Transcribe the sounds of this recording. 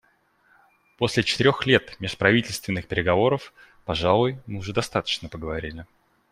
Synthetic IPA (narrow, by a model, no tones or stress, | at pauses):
po̞sʲlʲɪt͡ɕɪ̥t̪ɪɾʲoxlʲe̞t̪mʲeʂpɾɐvʲitʲɪlʲst̪vʲɪnːɨxpʲɪɾʲɪɡɐvo̞ɾəf | pɐʐalˠʊjmɨʊʐɛd̪ɐst̪at̪ə̥t͡ɕnəpəɡəvɐɾʲilʲɪ